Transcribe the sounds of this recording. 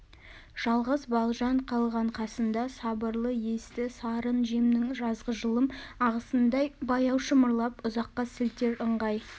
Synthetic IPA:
ʒ̥ɑlˠʁəzbɑlˠʒɑɴqʰɑlˠʁɑɴqʰɑsənd̪ɑsɑbəɾlˠəje̞st̪ɪsɑɾənʒemnnɪŋʒɑzʁəʒəlˠəmɑʁəsənd̪ɑjbɑjɑwʃəmʊɾlˠɑpʊzɑqːɑsɪlt̪e̞ɾəɴʁɑj

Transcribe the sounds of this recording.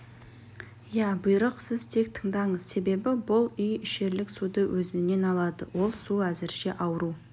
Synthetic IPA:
jæbʊjɾəqsɪzt̪ʰe̞k̚t̪ʰə̥ɴd̪ɑɴəzse̞be̞bɪbʊlˠʏjɪʃe̞ɾlɪksud̪əwʔɵzɪne̞nɑlˠɑd̪ə̰wo̞lˠsuæzɪɾʃe̞ʔɑwɾu

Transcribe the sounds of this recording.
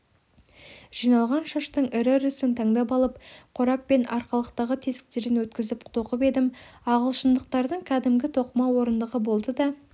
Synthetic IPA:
ʒ̥ijnɑlˠʁɑnʃɑʃt̪əɴɪɾɪɾɪsɪnt̪ʰɑŋd̪ɑpɑlˠəpqʰʊɾɑpːe̞nʔɑɾqɑlˠəqt̪ɑʁət̪ʰe̞sɪ̥k̚t̪e̞ɾɪnwɵt̪kʲɪzɪpt̪ʰo̞qəpe̞d̪ɪmɑʁəlˠʃənd̪əq̚t̪ɑɾd̪əɴkʲʰæd̪ɪmɡʲɪt̪ʰo̞qəmɑwo̞ɾənd̪əʁəbo̞lˠd̪əd̪ɑ

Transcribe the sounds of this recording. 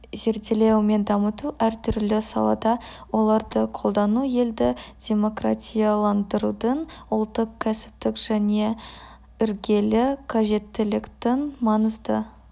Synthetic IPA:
ze̞ɾd̪ele̞wme̞nd̪ɑmət̪uʔæɾt̪ʰʏɾlɪsɑ̰lˠɑ̰d̪ɑwo̞lˠɑɾd̪əqʰo̞lˠd̪ɑnuje̞ld̪ɪd̪̥ʲe̞mo̞kra̰t̪ʲijɑlˠɑnd̪əɾud̪ənʊlˠt̪ːəqkʲʰːæsɪ̥p̚t̪ɪkʒ̥æne̞ | ʏɾɡʲe̞lɪkʰaʒe̞t̪ːɪlɪkt̪ɪnmɑnəzd̪ə

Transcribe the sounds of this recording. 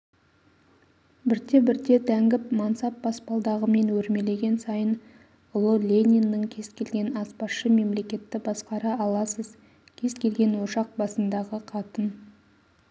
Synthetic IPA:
bɪɾd̪e̞bɪɾd̪e̞d̪æŋɡʲɪpmɑnsɑpbɑspɑlˠd̪ɑʁəme̞nwɵɾme̞le̞ɡʲe̞nsɑjən | ʊlˠəlʲe̞nʲinːɪŋkʲʰe̞z̥kʲe̞lɡʲe̞nɑspɑsʃəme̞mle̞kʲe̞t̪ːɪbɑsqɑɾɑɑlˠɑsəz | kʲʰe̞zkʲʰe̞lɡʲe̞nwoʃɑq̚bɑsənd̪ɑʁəqʰɑt̪ən

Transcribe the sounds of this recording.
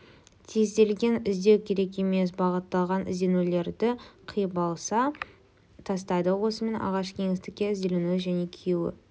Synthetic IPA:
t̪ʰizd̪e̞lɡʲe̞nɪzd̪e̞wkʲʰe̞ɾe̞k̬ʲe̞me̞s̬bɑʁət̪ːɑlˠʁɑnʔɪ̰zd̪e̞nule̞ɾd̪ɪqʰijəbɑlˠsɑ | t̪ʰɑst̪ɑjd̪əwo̞səme̞nɑ̰ʁɑʃkʲʰe̞ŋɪst̪ɪkʲːe̞ɪzd̪e̞lenuʒæne̞kʲʰijuwɪ̰

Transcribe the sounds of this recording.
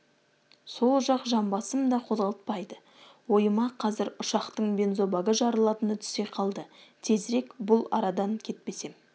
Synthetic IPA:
so̞lˠʒɑqʒɑmbɑsəmd̪ɑqʰo̞zʁɑlˠət̪̚pɑjd̪ə | wo̞jəmɑqʰɑzɪɾʊʃɑqt̪əɴbe̞nzo̞bɑɡəʒɑɾəlˠɑt̪ənət̪ʰʏ̥se̞qʰɑlˠd̪ət̪ʰe̞zɾe̞kbʊlˠɑ̰ɾɑd̪ɑŋkʲʰe̞t̪̚pe̞se̞m

